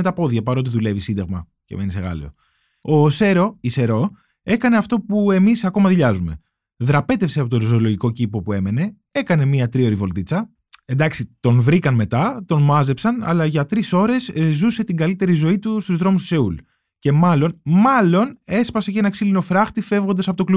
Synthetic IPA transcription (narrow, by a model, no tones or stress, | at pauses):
met̪ɐpo̞ðʝɐpɐɾo̞t̪iðule̞visind̪ɐɣmɐ | ceme̞niseɣɐ̰lḭo̞̰ | ose̞ɾo̞ise̞ɾo̞ | e̞kɐne̞ɐft̪o̞pue̞misɐko̞mɐðiʎɐzume̞̰ | ðɾɐpe̞t̪efse̞ɐpot̪oɾizolo̞ʝiko̞cipo̞pue̞me̞ne̞ | e̞kɐne̞miɐt̪ɾio̞ɾivo̞lt̪it͡sɐ | e̞nd̪ɐksit̪o̞nvɾikɐnme̞t̪ɐt̪o̞nmɐze̞psɐnɐ̰lɐʝɐt̪ɾiso̞ɾe̞zzuse̞t̪iɡɐlit̪e̞ɾizo̞it̪ust̪uzðɾo̞must̪u̥se̞ul | ce̞mɐlo̞nmɐlo̞ne̞spɐse̞cenɐksilino̞fɾɐxt̪ife̞vɣo̞nd̪ɐsɐpo̞t̪olu